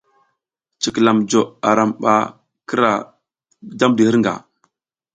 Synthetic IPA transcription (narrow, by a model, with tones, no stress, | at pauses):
t͡ʃi˨kla˨md͡ʒo˨a˨ɾa˨mɓa̰˦ | kə˦ɾa˨ | da˦mdi˨hə˦ɾŋɡa̰˨